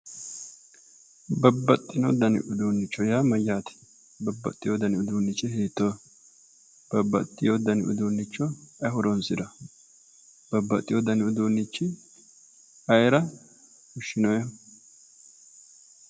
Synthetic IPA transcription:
bɐbːɐt̪ʼːɪnod̪ɐnɪ̰ʔʊd̪uːnːɪt͡ʃːɔjaːmɐjaːt̪ɪ̥ | bɐbːɐ̰t̪ʼːɪjod̪ɐnɪʊd̪uːnːɪt͡ʃːɛɦeːt̪ːoː | b̥ɐbːɐ̰t̪ʼːɪjod̪ɐnɪ̰ʔʊ̰d̪uːnːɪt͡ʃːɔɐhʊɾɔnsɪd̪ɐ | bɐbːɐt̪ʼːɪjod̪ɐnɪʊd̪oːnːɪt͡ʃːɪ | ɐjɾɐ | hʊʃːɪnɔjɛ

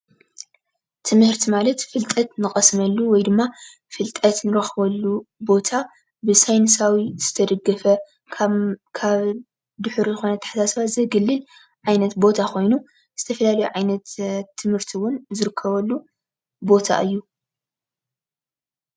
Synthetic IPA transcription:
t̪ʰɨmhɨɾt̪ʰimalɐt̪fɨlt̪ʼɐt̪nɨxʼɐsmɐlːuwɔjd̪ɨmːa | fɨlt̪ʼɐt̪nɨɾɐxβɐlːubo̞t̪ʰa | bɨsajnɨsawiz̥ɨt̪ʰɐd̪ɐɡːɐfɐ | kʰaβ | d̪ɨħuɾizɨxo̞nɐt̪ʰɐ̥ħasasβazɐɡɨlːɨl | ʕajnɐt̪bo̞t̪ʰakʰo̞jnu | z̥ɨt̪ʰɐfɐlalɐjuʕajnɐt̪t̪ʰːɨmhɨɾt̪ʰiwʊnzɨɾɨkʰːɐβɐlːu | bo̞t̪ʰa̰ʔɨjːu

